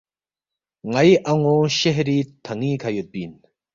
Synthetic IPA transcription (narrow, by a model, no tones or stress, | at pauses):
ŋɐiʔɐŋoɕeɦɾiːt̪ʰɐŋiːkʰɐjut̪̚biːn